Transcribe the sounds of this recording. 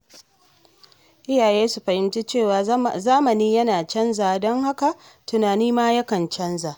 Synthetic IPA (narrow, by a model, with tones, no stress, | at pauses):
ʔɪ˦jaː˨jeː˦su˨ɸɐ˨hɪ˦mt͡ʃi˦t͡ʃeː˦˨waː˨zaː˦mɐ˨niː˦jɐ˦naː˨t͡ʃɐ˦nzaː˨dɔ˦ŋha˦ka˨ʔ | tʊ˨naː˨niː˦maː˦jɐ˦kɐ˨nt͡ʃɐ˦nzaː˨ʔ